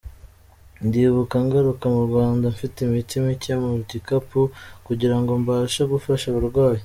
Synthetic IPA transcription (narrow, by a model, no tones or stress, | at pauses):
ndiːβukaŋɡaɾukamuɾɡwaːndaɱfitimitimicmuɟikapukuɟiɾaŋɡo̞mbaːʃaɡufaʃaβuɾɡwaːje